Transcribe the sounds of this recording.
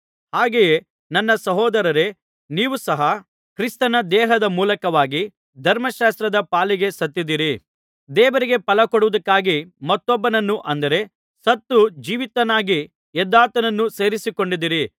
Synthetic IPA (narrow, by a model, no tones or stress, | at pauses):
haːɡeje | nɐnːɐsɐɦɔːd̪ɐɾɐɾe̞ | niːʋusɐɦɐ | kɾist̪ɐnɐd̪ɛːɦɐd̪ɐmuːlɐkɐʋaːɡi | d̪ʱɐɾmɐʃaːst̪ɾɐd̪ɐpaːliɡe̞sɐt̪ːid̪iːɾi | d̪ɛːʋɐɾiɡe̞pɐlɐkoɽuʋud̪ɐkːaːɡimɐt̪ːɔbːɐnɐnːuʔɐnd̪ɐɾe̞ | sɐt̪ːud͡ʒiːʋit̪ːɐnaːɡi | ɛd̪ːaːt̪ɐnɐnːuse̞ːɾisiko̞ɳɖid̪iːɾi